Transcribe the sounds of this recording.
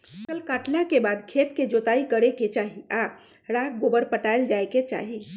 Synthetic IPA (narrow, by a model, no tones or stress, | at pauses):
səlkaʈlakebad̪̚kʰet̪ked͡ʒot̪aikəɾeket͡ʃaɦiʔa | ɾakɡobəɾpəʈaeld͡ʒaeket͡ʃa̰ɦi